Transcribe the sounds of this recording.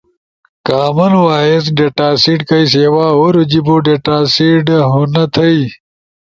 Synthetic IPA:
kaːmɐnwaːes̬ɖeʈaːsiɖkɐjs̬ɐwaːoɾud͡ʑiboɖeʈaːsiɖɦunɐt̪ʰɐi

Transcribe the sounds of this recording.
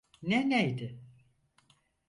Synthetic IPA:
nɛnejd̪ɪ

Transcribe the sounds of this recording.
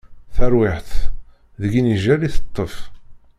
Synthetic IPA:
θæɾwɪħθ | ðəɡiniʒæliθə̥t̪ˤːəf

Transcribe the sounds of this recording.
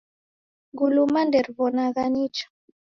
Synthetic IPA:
ɡulumandɛɾβɔnaɣanit͡ʃɔ̥

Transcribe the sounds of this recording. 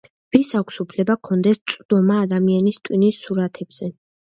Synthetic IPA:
visakʷʰsupʰlɛbakʰɔnd̪ɛst̪sʼd̪ɔmaːd̪amianist̪ʼwinisːuɾat̪ʰɛbz̥ɛ

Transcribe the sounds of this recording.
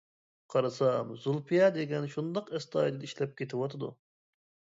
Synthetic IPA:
qʰɑɾɨsɑmzulˠpʰijɑd̪eɡʲɛnʃund̪ɑqɛst̪ʰɑːjd̪ɨd̪iʃlɛp̚kʲet̪ʰɪwɑt̪ʰɨd̪ṵ

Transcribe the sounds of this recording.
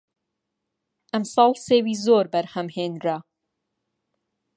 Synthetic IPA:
ʔæmsɑlˠseːwiːzoːɾbæɾhæmheːnɾa

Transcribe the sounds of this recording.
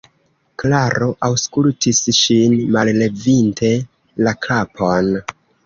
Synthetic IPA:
klaɾoʔawskultʰisʃinmalle̞vintʰe̞ | lakʰapʰo̞n

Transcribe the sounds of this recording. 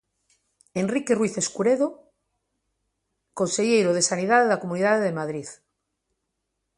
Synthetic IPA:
enrikerwiθe̞skuɾeðo | konseʝejɾoð̞e̞sanið̞aðeðakomũniðaðeðemaðɾið

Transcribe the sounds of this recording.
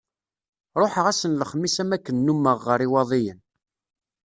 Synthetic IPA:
ɾˤoħəʁæsənləχmːisæmækːənːumːəʁːəɾiwɑðˤijən

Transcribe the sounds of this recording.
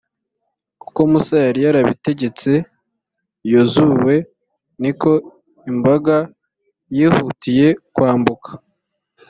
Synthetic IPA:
ku̥ko̞musajaɾijaɾaβḭte̞ɟe̞t͡se̞ | jozuwe̞ | niko̞ | imbaɡa | jiːhutije̞kwaːmbukḁ

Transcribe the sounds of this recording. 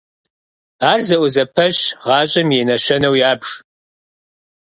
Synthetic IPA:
aːrzɐʔʷʊzɐpʰɐɕʁɑːɕʼɐmjɛnɐʃɐnɐwjaːbʂ

